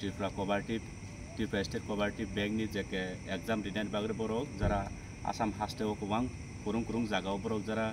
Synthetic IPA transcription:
tipʰɾakɔbaɾʈib | tipʰastetkɔbaɾʈib̚bɛŋk̚nizɛkɛɛkzamɾidajn̚baɡɾɛbɔɾɔk̚zaɾa | a̰samɦastɛwɔkwaŋ | kuɾuŋkuɾuŋzaɡawbɔɾɔk̚zaɾa

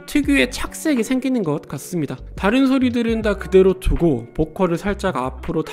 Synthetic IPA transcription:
tʰɯɡue̞t͡ɕʰak̚s͈e̞ɡisʰe̞ŋɡinɯnɡʌt̚k͈as͈ɯmɲida | taɾɯnsʰoɾidɯɾɯndakɯde̞ɾotuɡopokʰʌɾɯɭsʰaɭt͡ɕ͈aɡapʰɯɾot

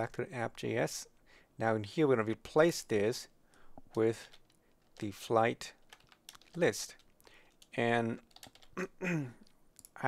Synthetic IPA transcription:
æk̚tʰɨæp̚ʒ̥ḭɛs | naʊ̃nhiɹwəɹɡʌ̃nɨbipʰl̥eɪsðɪz̥ | wɪð̥ | ɨflaɪt | lɪst | ɨ̃n | ʔa

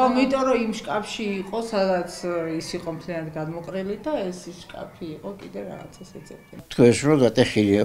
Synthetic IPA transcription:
ɔmit̪ʼɔɾɔimʃkʼapʰʃiːqʼɔsad̪at̪sʰisiqʼɔmt̪ʰlijanad̪ɡad̪mɔqʼɾilid̪aɛsiʃkʼa̰pʰiːqʼɔkʼid̪ɛɾa̰ʁa̰t̪sʰɛsɛsʼɛ̰t̪ʰɛt̪ʰkʰwɛsɾɔɡat̪ʼɛχilia

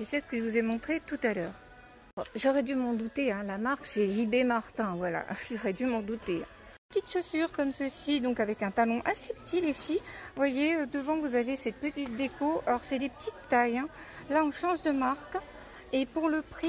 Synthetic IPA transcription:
sɛsɛlkəʒvuzemɔ̃t̪χet̪ut̪alœːʁ | ɔʒɔʁɛd̪ymɑ̃d̪ut̪eɛ̃lamaʁksɛʒibemaʁt̪ɛ̃vwala̰ʒɔʁɛd̪ymɑ̃d̪ut̪e | pət̪it̪ʃosyʁkɔmsəsid̪ɔ̃kavɛkɛ̃t̪alɔ̃ʔasepə̥t̪ʰilefivwajeød̪əvɑ̃vuzavesɛt̪̚pət̪it̪̚d̪ekoɔʁsɛd̪epə̥t̪ʰit̪ːajɛ̃ | laɑ̃ʃɑ̃ʒd̪əmaʁk | epuʁləpχi

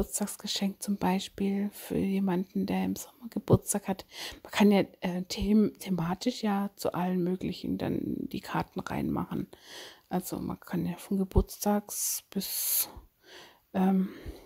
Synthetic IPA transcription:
ʊɐt͡stʰaːksɡ̥əʃɛŋk̚t͡sʊmbaɪʃpiːlfy̰ːɐjeːmandn̩deːɐɪmz̥ɔmɐɡəb̥ʊɐt͡stʰaːkhatmankʰanjaːʔɛːtʰemtʰemaːtʰɪʃjaːt͡sṵʔalənmøːklɪçn̩d̥a̰nd̥ḭːkʰaɐtn̩ʁa̰ɪnma̰χn̩ʔalz̥o̰ma̰nkʰanjaːfɔnɡəbʊɐt͡stʰaːksb̥ɪs | ʔɛːm

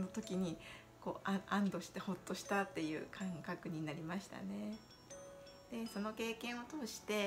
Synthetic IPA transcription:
no̞t̪o̞kʲiɲ̟i | ko̞ːʔaãnd̪o̞ɕi̥t̪e̞ho̞t̪ːo̞ɕi̥t̪at̪ːe̞jɯ̟̰ːkʰãŋkakɯ̟ɲ̟inaɾʲimaɕi̥t̪a̰ne̞ | d̪̥e̞so̞no̞ke̞ːkẽ̞ɰ̃o̞t̪o̞ːɕi̥t̪e̞

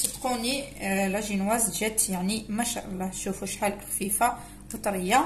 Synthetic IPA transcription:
sit̪qunilæʒinwæzʒæt̪jaʕnimæʃæ̰ʔɑlˤːɑh̪ʃufuʃħalʔəxfifa | wət̪ˤɾəjːa

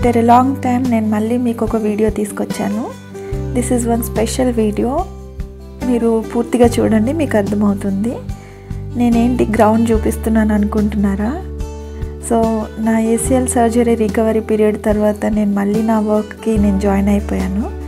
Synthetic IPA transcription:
ʈeɾelaːŋɡʈɐjmne̞ːnumɐɭːiːmiːkɔkɐʋiːɖijo̞ːt̪iːsu̥kot͡ʃːaːnu | d̪isizʋɐnspeʂɐlʋiːɖijoː | miːɾupuːɾt̪iɡaːt͡ʃṵːɽɐɳɖimiːkɐɾd̪ʱɐmɐwut̪und̪i | ne̞ːne̞ːɳʈiɡɾɐwɳɖt͡ʃuːpist̪unːaːnuɐnukuɳʈunːaːɾaː | soːnaːeːsielsɐɾd͡ʒɐɾiɾikɐʋɐɾipiːɾijɐɖt̪ɐɾʋaːt̪ɐne̞ːnumɐɭːiːnaːʋɐɾkkine̞ːnud͡ʒaːjnɐjipoːjaːnu

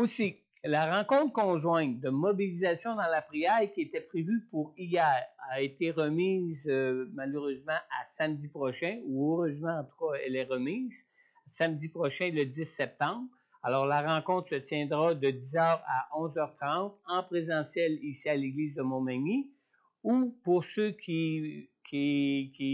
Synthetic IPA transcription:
osi | laʁɑ̃kɔ̃t̪kɔ̃ʒwɛ̃t̪̚d̪əmɔbilizasjɔ̃d̪ɑ̃lapʁiajkʲiet̪ɛpʁevypuʁijɛːʁaet̪eʁəmiːzmaløʁøːzmɑ̃asamd̪ipʁɔʃɛ̃uøʁøːzmɑ̃ɑ̃t̪u̥kaɛlɛʁəmiːz̥ | samd̪ipʁɔʃɛ̃ləd̪isːɛp̚t̪ɑ̃ːbʁ | alɔːʁlaʁɑ̃kɔ̃t̪χsət͡sjɛ̃d̪ʁad̪əd̪izœːʁaʔɔ̃zœʁt̪ʁɑ̃t̪ɑ̃pʁezɑ̃sjɛlisialeɡliːzd̪əmɔ̃maɲi | upuʁsøkʲʰikʰʲikʲi

